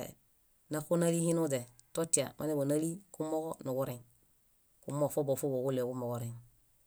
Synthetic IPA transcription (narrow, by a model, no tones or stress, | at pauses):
nakonalihinud͡ʒe | totia̰mʔa̰nebonalikumoɡonuɡuɾeŋ | kumofobofoboɡulːeɡumoɡuɾeŋ